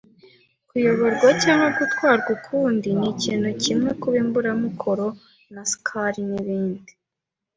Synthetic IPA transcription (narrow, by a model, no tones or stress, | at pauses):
kujo̞βo̞ɾɡwacaːŋaɡutwaːɾɡukʰuːndiniciːn̥hucimŋe̞kuβimbuɾamukʰo̞ɾo̞ | naskʰaɾiniβiːndi